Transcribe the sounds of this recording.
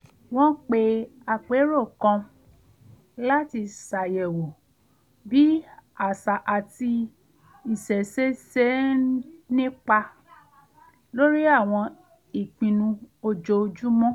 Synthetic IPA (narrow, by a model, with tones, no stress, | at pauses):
w̃ɔ̃˦k͡pe˧a˧k͡pe˨˦ɾo˦˨kɔ̃˧ | la˦ti˧sa˨jɛ˨wo˨ | bi˨˦a˨sa˨ʔa˨ti˧ | i˨sɛ˨se˨˦se˦ | nĩ˦k͡pa˧ | lo˦ɾi˦a˦˨w̃ɔ̃˧ | i˨k͡pĩ˨nũ˧o˧d͡ʒo˧d͡ʒu˦mɔ̃˦